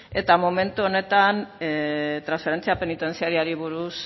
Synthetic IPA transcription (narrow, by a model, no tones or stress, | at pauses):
e̞t̪amome̞nt̪uo̞ne̞t̪an | t̪ɾansfe̞ɾe̞nt͡siape̞nit̪e̞nt͡siaɾiaɾiβ̞uɾus